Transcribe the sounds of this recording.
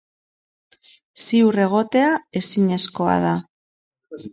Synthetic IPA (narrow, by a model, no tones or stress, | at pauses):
siure̞ɣ̞o̞t̪e̞ae̞siɲe̞sko̞a̰ð̞a